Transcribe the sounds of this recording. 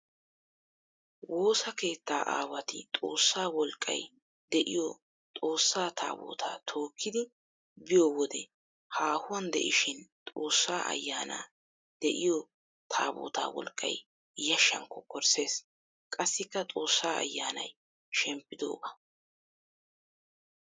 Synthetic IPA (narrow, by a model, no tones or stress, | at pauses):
wo̞ːsɐke̞ːt̪ːaːʔa̰ːwɐt̪ɪt̪ʼo̞ːsːaːwɔlkʼːɐ̰j | d̪ɛʔɪjɔ | t̪ʼo̞ːsːaːt̪ʰa̰ːbo̰ːt̪ʰaːt̪ʰo̞ːkːɪd̪ɪ | bɪjɔwɔd̪ɛ̰ | haːhʊwɐnd̪ɛ̰ʔɪʃɪnt̪ʼo̞ːsːaːʔɐ̰jːaːna̰ː | d̪̥ɛʔɪjɔ | t̪ʰa̰ːbo̰ːt̪a̰ːwɔ̰lkʼːɐ̰j | jɐʃːɐ̰ŋkːɔkʰɔɾse̞ːs | kʼɐsːɪkːɐt̪ʼo̞ːsːaːɐ̰jːaːnɐ̰j | ʃɛmpːɪd̪o̞̰ːbɐ